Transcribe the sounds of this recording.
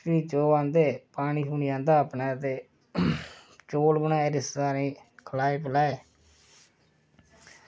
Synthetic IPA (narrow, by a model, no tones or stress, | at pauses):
ʋiːt͡ʃoːʋãːnd̪eːpaːɽ̃iːsuːnid͡ʒãːnd̪aːəpnaːt̪eː | t͡ʃoːlbənãːeːɾɪstaːnĩːkʰlaːiːpəlaːeː